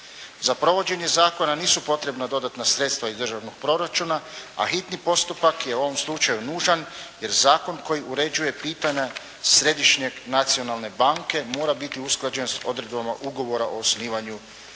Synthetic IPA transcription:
zapɾo̞ʋo̞d͡ʑe̞ɲe̞zaːko̞naniːsupo̞t̪ɾe̞bnad̪o̞d̪at̪nasɾe̞t̪st̪ʋaizd̪r̩ʒaʋno̞ɡ̥̚pɾo̞ɾat͡ʃuːnaa̰xit̪nipo̞st̪upakje̞uo̞ʋo̞mslˠut͡ʃajunuːʒanje̞ɾzaːko̞nko̞jiuɾe̞d͡ʑuje̞piːt̪aɲa | sɾe̞d̪iʃɲe̞ɡnat̪sio̞nalˠne̞baŋke̞mo̞ːɾabit̪iusklˠad͡ʑe̞nso̞d̪ɾe̞d̪bamaʔuɡo̞ʋo̞ɾaʔo̞osniːʋaɲu

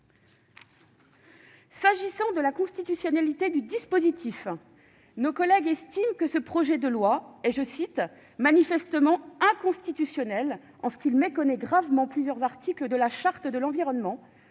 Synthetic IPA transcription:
saʒisɑ̃d̪əlakɔ̃st̪it̪ysjɔnalit̪ed̪yd̪ispozit̪ʰif | nokɔlɛɡɛst̪imkəsəpχɔʒɛd̪əlwaeʒəsit̪ | manifɛst̪əmɑ̃ɛ̃kɔ̃st̪it̪ysjɔnɛl | ɑ̰̃sə̥kʲilmekɔnɛɡʁavmɑ̃plyzjœʁzaʁt̪ʰikləd̪əlaʃaʁt̪əd̪əlɑ̃viʁɔnmɑ̃

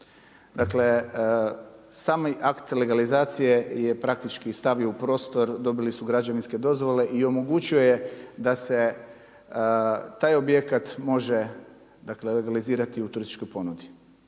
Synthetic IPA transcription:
d̪akle̞ | saːmiʔakt̪le̞ɡalizaːt̪sije̞je̞pɾak̚t̪it͡ʃkist̪aʋioupɾo̞st̪o̞ɾd̪o̞bilisuɡɾad͡ʑaʋinske̞d̪o̞zʋo̞le̞ʔio̞mo̞ɡut͡ɕio̞jed̪ase̞ | t̪aːjo̞bje̞kat̪mo̞ʒe̞ | d̪akle̞le̞ɡaliziːɾat̪iut̪uɾist̪i̥t͡ʃko̞jpo̞nud̪i

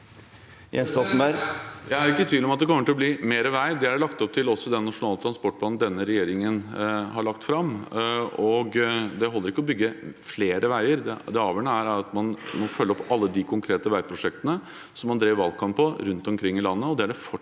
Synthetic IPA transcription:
jɛnst̪ɑt̪̩æɾjæɪæɾɪkːət̪ʰʋiːʋlɔmɑt̪̚d̪ɛkʰɔmːəʈʰɪlɔbliːmeːɾəʋæɪd̪ɛæɖɛlɑkt̪ɔp̚t̪ʰɪlɔsːɔd̪ɛnːɑʂʊnɑːlət̪ɾɑnspɔʈːbɑːnn̩d̪ɛnːəɾɛjeːɾɪŋənɦɑɭɑkt̪fɾɑmː | ɔɡd̪ɛɦɔlːəɾɪkːəɔbʏɡːəfleːɾəʋæɪəɾd̪ɛd̪ɛɑːʋjəɳəæɾæɾɑt̪mɑnmɔfœlːɔpɑlːəd̪ɪkʰʊŋkʰɾeːt̪əʋæɪpʰɾʊʂɛkt̪ənə | sɔmːɑnd̪ɾeːʋɑlkʰɑmppʰɔɾʉnt̪ɔmkʰɾɪŋːɪlɑnːəɔd̪ɛæɖɛfɔ

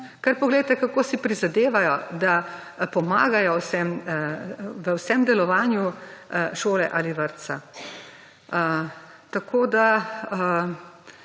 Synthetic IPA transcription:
kaɾpɔɡleːdt̪ɛkakoːsipɾizad̪eːʋajɔd̪a | pɔma̰ːɡajɔwsɛm | ʋəwsɛmd̪ɛlɔʋaːnjuʃoːlɛʔaliʋəɾt̪sa̰ | t̪akʰoːd̪a

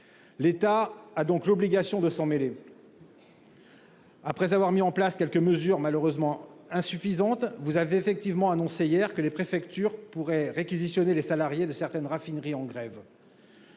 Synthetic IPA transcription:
let̪aːd̪ɔ̃klɔbliɡasjɔ̃d̪əsɑ̃mele | apχɛzavwaʁmiɑ̃plaskʲɛlkəməzyʁmaløʁøzmɑ̃ɛ̃syfizɑ̃t̪vuzaveefɛk̚t̪ivmɑ̃anɔ̃seijɛʁkəlepχefɛkt̪yʁpuʁɛʁekʲizisjɔnelesalaʁjed̪əsɛʁt̪ɛnʁafinʁiɑ̃ɡʁɛv

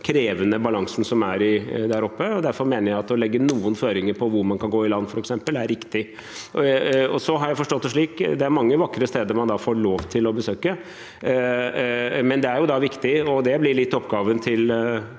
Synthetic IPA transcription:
kʰɾeːʋənəbɑlɑŋsn̩sɔmæɾɪd̪æɾɔpːəɔd̪æɾfɔɾmeːnəɾjæɪɑt̪ːɔlɛɡːənuːənføːɾɪŋəɾpʰɔʋʊɾmɑnkʰɑnɡoːɪlɑnːfɔɾɛksɛmpəlæɾɪkt̪ɪ | ɔsɔɦɑɾjæɪfɔʂʈɔt̪ːəʂɭiːkd̪ɛæɾmɑŋːəʋɑkːɾəst̪eːd̪əɾmɑnd̪ɑfoːɾɭoːʋt̪ʰɪlɔbəsøːkə | mɛnd̪ɛæɾjʊd̪ɑʋɪkt̪ɪɔd̪ɛblɪɾɭɪt̪ːɔpːɡɑːʋənt̪ʰɪl

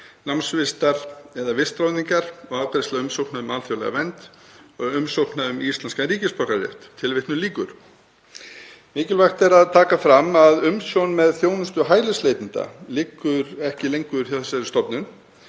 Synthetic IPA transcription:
namsvɪst̪aɾ̥ɛðavɪst̪ɾawðiŋkaɾ̥ɔɣaːwt̪aɾɪst̪laʏmsowknaðʏmaːlθjowlɛ̰ɣa̰vɛnt̪ɔɣʏmsowknaðʏmist̪lanskaɾiːcɪspœhkaɾjɛ̰ht̪t̪ʰːɪlvɪht̪nʏliːkʏɾ̥ | mɪːcɪlvajxt̪ɛɾaðt̪ʰaːkafɾamːaðʏmsjownmɛðθjownʏst̪ʏɦaːjlɪslejt̪ɪnt̪a̰lɪkːʏɾɛhcɪlejŋkʏʏɾ̥θjawθɛsːaɾɪst̪ɔpnʏn

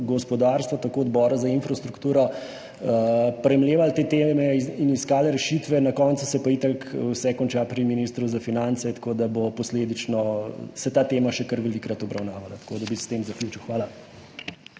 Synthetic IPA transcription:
ɡɔspɔd̪aɾst̪ʋat̪akoɔd̪bɔːɾazainfɾast̪ɾukt̪uːɾɔ | pɾɛmleːʋalt̪eːt̪eːmɛiniskaːlɛɾɛʃiːt̪ʋɛnɐkɔnt̪susɛpait̪akwsɛkɔnt͡ʃaːpɾiminist̪ɾuzafinant̪sɛt̪kod̪abopɔsleːd̪it͡ʃnɔsɛt̪aːt̪eːmaʃɛkəɾʋɛliːkɾat̪ɔbɾɐwnaːʋalat̪ḁkod̪abist̪eːmzɐkljuːt͡ʃiwxʋaːla

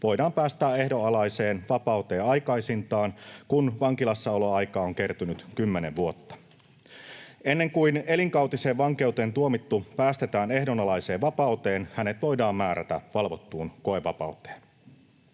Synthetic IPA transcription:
ʋo̞jdɑːmpæːst̪æːe̞hdo̞ɑlɑjse̞ːnʋɑpɑwt̪e̞ːɑjkɑjsint̪ɑːnkunʋɑŋkilɑsːɑoloɑjkɑːoŋke̞rt̪ynyt̪kymːeneʋʋuot̪ːɑ̥ | e̞nːe̞ŋkuine̞liŋkɑwt̪ise̞ːʋʋɑŋke̞wt̪eːnt̪uomit̪ːupæːst̪et̪æːne̞hdo̞nɑlɑjse̞ːʋʋɑpɑut̪e̞ːnhæne̞t̪ʋo̞jdɑːmmæːɾʔæ̰t̪æ̰ʋɑlʋot̪ːuːnko̞eʋɑ̰pɑ̰wt̪ˑe̥ːn

